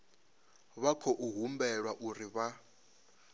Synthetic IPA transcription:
βakʰɔʔuɦumbɛɺwaʔuriβa

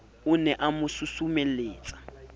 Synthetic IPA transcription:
ʊnɛʔamʊsusumeleːt͡sʼḁ

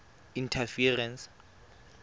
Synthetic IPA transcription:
intʰafirɛns

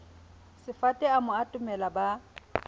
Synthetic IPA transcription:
sɪfatʼɛamʊatʼʊmɛlaba

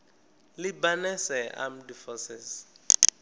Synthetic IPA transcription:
libanɛsɛʔa̰m̩difɔsɛz

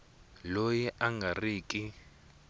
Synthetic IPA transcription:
lojɛʔaŋɡʱariːkʼi

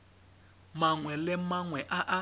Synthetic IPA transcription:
maŋwɛlɪmaŋwɛʔaʔa

